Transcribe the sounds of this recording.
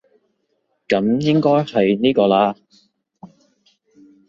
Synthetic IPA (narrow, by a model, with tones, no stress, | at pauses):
kɐ˨˥mjɪ˥ŋkɔː˥jhɐ˨jniː˥kɔː˧laː˧